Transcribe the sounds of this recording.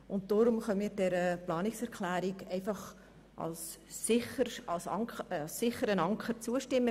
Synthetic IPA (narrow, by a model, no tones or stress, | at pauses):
ʔʊnt̚d̥ɔːɾʊmχœnmiːɾdɛɾəplɑːnɪksɛɾkʰlæːɾɪɡɛɪfɑχ | ʔɑ̰lsːɪχəɑlsɑsːɪχəɾənɑŋkχərt͡suəʃtɪmːə